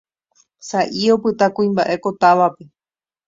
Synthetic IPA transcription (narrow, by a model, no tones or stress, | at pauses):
saʔio̞pɨt̪akũĩmbaʔe̞ko̞t̪aʋape̞